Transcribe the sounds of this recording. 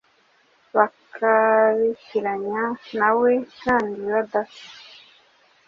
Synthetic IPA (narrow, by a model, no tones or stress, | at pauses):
βakʰaβiciɾaɲanawekaːndiβad̪afi̥